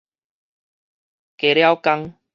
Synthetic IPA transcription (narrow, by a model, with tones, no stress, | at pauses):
ke˨ɾja˦wka˦ŋ